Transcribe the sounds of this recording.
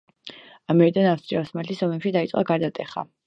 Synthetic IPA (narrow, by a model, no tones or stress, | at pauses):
amɛɾid̪anaft̪sʼiafsmat̪ʰisɔmɛpʃid̪ait̪sʼqʼa̰ɡaɾd̪at̪ʼɛχa̰